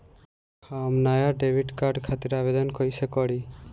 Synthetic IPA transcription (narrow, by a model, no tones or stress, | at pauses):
hamnajaɖebʱiʈkaɾɖkʰat̪iɾabed̪ɔnkɔjsekɔɽi